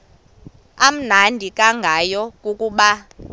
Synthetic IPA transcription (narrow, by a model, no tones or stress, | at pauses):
am̩nandʱikʼaŋɡʱajɔkʼukʼuːɓa